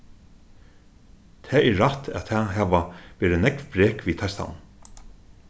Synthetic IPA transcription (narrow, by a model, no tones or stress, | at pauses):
t̪ʰɛːʔɛɹat̪ʰæ̰t̪ʰɛːɦæːʋaʋeːɾɪnɛkʋbɾeːkʋit̪ʰast̪a̰wn